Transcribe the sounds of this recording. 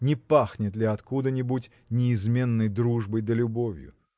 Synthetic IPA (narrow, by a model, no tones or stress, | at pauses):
nʲɪpaxnʲɪt̪lʲɪɐt̪kud̪ənʲɪbutʲ | nʲɪːzmʲe̞nːəjd̪ɾuʐbəjd̪əlʲʊbovʲjʊ̰